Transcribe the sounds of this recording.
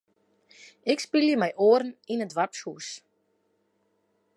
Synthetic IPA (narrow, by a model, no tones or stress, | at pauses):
ɪkspiljəmɛjʔoːəɾn̩inətʋapshus